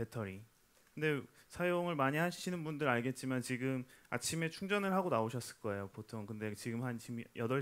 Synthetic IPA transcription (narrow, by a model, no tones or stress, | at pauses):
pe̞tʰʌɾi | kɯnde̞sʰajoŋɯɭmaɲiɦaɕʰinɯnbundɯɾaɭɡe̞t̚t͡ɕ͈imant͡ɕiɡɯma̰t͡ɕʰime̞t͡ɕʰuŋd͡ʑʌnɯɭɦaɡonaoɕʰʌs͈ɯɭk͈ʌe̞jopotʰoŋkɯnde̞t͡ɕiɡɯmɦanɕimjʌdʌ